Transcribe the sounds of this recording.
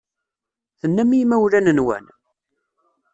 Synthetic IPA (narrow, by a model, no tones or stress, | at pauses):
θənːæmijmæwlænənwæ̰n